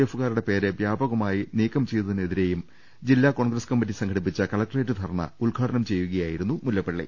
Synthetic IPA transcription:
efuɣaːɾuɽe̞pe̞ːɾeʋjaːbɐɣɐmaːjiniːkːɐmt͡ɕe̞jt̪ɐðinːɐeðiɾe̞jum | d͡ʑilːaːko̞ːɳɡɾɐskɐmːidisɐŋkʰɐɽip̬ːit͡ɕːɐkɐlɐk̚ʈreːʈːud̪ʱɐɾɐɳɐ̰uɭɡʱaːɖɐnɐmt͡ɕe̞jːuɣɐjaːjiɾunːumulːɐpːeɭːḭ

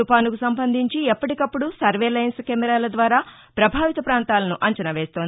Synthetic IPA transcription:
upaːnukusɐmbɐnd̪ʱiɲt͡ʃiɛpːɐʈikɐpːuɽusɐɾʋeːlɐjnskɛːmɛɾaːlɐd̪ʋaːɾaː | pɾɐbʱaːʋit̪ɐpɾaːnt̪aːlɐnuʔɐɲt͡ʃɐnɐʋɛːst̪ond̪

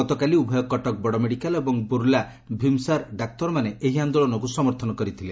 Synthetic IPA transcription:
ɔt̪ɔkaliubʱɔjɔkɔʈɔk̚bɔɽɔmeɽikalebɔŋbuɾla | bʱimsaɾɖak̚t̪ɔɾɔmaneʔeɦiand̪ɔlɔnɔkusɔmɔɾt̪ʰɔnɔkɔɾit̪ʰile

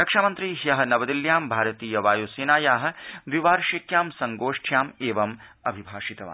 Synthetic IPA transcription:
ɾɐkʂaːmɐnt̪ɾiːɦjɐɦɐ̆nɐʋɐd̪iljaːmbʱaːɾɐt̪iːjɐʋaːjoːseːnaːjaːɦɐ̆d̪ʋiʋaːɾʃikjaːmsɐŋɡoːʂʈʰjaːmeːʋɐmɐbʱibʱaːʃit̪ɐʋa̰ː

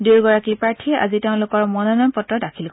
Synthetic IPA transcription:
duɹɡɔɹakiɹpɹaɹtʰiɛʔa̰ziteʊ̃lʊkɔɹmɔnɔnampɔtɹɔdakʰil

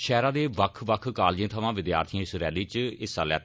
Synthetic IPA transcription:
ʃɛːɾãːd̪eːʋəkʰʋəkʰkaːld͡ʒẽːt̪ʰəʋãːʋɪd̪ja̰ːɾt̪ʰiãːsɪɾɛːd̪eːt͡ʃɪsaːlɛ̰ː

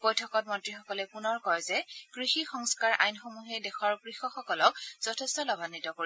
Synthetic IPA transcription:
b̥ojtʰɔkɔt̚mɔntɹixɔkɔlɛpunɔɹkɔɹzɛkɹixixɔŋskaɹʔa̰jnxomuɦedɛxɔɹkɹixɔxɔkɔlɔk̚z̥ɔtʰɛstɔlɔbanːitɔkoɹi

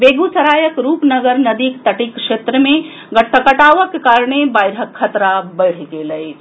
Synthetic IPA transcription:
beɡut͡ʃəɾaːjəkɾuːpnəɡəɾnəd̪ikt̪əʈikʃet̪ɾəmẽ | ɡəʈəkəʈaːʋəkːkaɾɳebajɾɦəkʰːət̪ɾabəɪɽ̤keləj

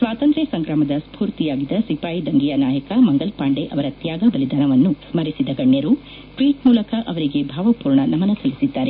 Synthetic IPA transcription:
sʋaːt̪ɐnt̪ɾesɐŋɡɾaːmɐd̪ɐspuːɾt̪ijaːɡid̪ɐsipaːjid̪ɐŋɡijɐnaːjɐkɐmɐŋɡɐlpaːɳɖeʔɐʋɐɾɐt̪jaːɡɐbɐlid̪aːnɐʋɐnːusmɐɾisid̪ɐɡɐɳjɐɾu | ʈʋiːʈmuːlɐkɐʔɐʋɐɾiɡe̞bʱaːʋɐpuːɾɳɐnɐmɐnɐsɐlisid̪ːaːɾe

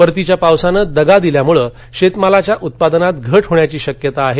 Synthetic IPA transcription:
əɾt̪it͡ɕjapawsanəːd̪əɡad̪iljamuɭəː | ɕet̪malat͡ɕjaʔut̪̚pad̪ənat̪ɡʱəʈɦoɳjat͡ɕiːɕəkjət̪aːɦe

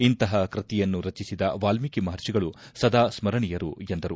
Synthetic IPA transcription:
int̪ɐɦɐkɾɐt̪ijɐnːuɾɐt͡ʃisid̪ɐʋaːlmikimɐɦɐɾt͡ʃiɡɐɭusɐd̪aːsmɐɾɐɳijɐɾṵend̪ɐɾu

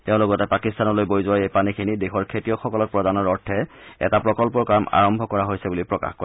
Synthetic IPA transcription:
tɛʊ̃lʊkɔtɛpakistanɔlojbojzʊwajejpanikʰinidexɔɹkʰetijɔxɔkɔlɔk̚pɹɔdanɔɹɔɹtʰɛ | ɛ̰tapɹɔkɔlpɔɹkama̰ɹɔmbʱɔkɔɹaɦojsɛbulipɹɔka̰xkɔ

